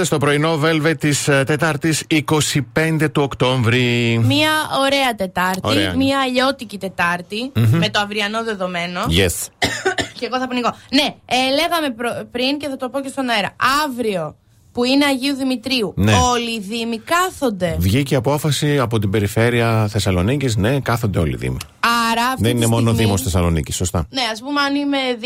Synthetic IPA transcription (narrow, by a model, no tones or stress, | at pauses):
est̪o̞pɾo̞inove̞lve̞t̪ist̪e̞t̪ɐɾt̪isiko̞sipe̞nd̪e̞t̪uokt̪o̞ɱvɾimiɐo̞ɾe̞ɐt̪e̞t̪ɐɾtoiɾmiɐːʎo̞t̪icit̪e̞t̪ɐɾt̪ime̞t̪o̞ɐvɾiɐno̞ðe̞ðo̞me̞no̞jes | ceɣo̞θɐponiɣo̞ne̞ele̞ɣɐme̞pɾopɾince̞θɐt̪o̞po̞ce̞st̪o̞nɐeɾɐɐvɾio̞ | puine̞ɐʝiuðimit̪ɾiuneoliðimikɐθo̞nd̪e̞vʝiceɐpo̞fɐsiɐpo̞t̪ibe̞ɾife̞ɾiɐθe̞sɐlo̞nicizne̞kɐθond̪e̞o̞̰lḭðḭmi | ɐɾɐfðeninemo̞noðimost̪θesɐlo̞nicisːost̪ɐne̞ɐspumeɐnime̞